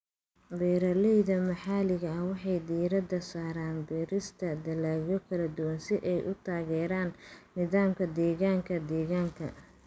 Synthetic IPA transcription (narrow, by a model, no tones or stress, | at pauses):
bɛːɾɐlɛjðɐmɐħaːlɪɣɐɐhwɑħɑjd̪iːɾɐd̪ɐsaːɾaːnbɛːɾɪst̪ʰɐd̪ɐlaːjɔkʰɐlɐd̪ʊwɐnsɪʔɛjʔʊt̪ʰaːɣɛːɾaːnːɪðaːmkʰɐd̪ɛːɣaːŋkʰɐd̪ɛːɣaːŋkʰɐ̰